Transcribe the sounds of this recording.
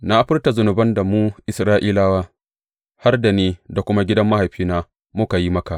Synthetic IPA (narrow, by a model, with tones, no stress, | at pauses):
na˦ʔa˦ɸɪ˦rta˨zʊ˨nʊ˨bɐ˦nda˨muː˦ʔɪ˨sɾaː˦ʔiː˦laː˦waː˦ | ha˦rda˨neː˦da˨kʷʊ˦ma˦ɡʲɪ˦dɐ˦mːa˦ha˨jɸiː˦naː˦ | mʊ˦ka˨ji˦mɐ˦ka˨ʔ